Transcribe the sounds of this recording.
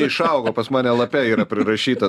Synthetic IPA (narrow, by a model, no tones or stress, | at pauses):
ɪʃɐʊɡoːpɐsmɑːnʲɛlˠɐpʲɛiːɾɐpʲɾʲɪɾɐʃʲiːt̪ɐ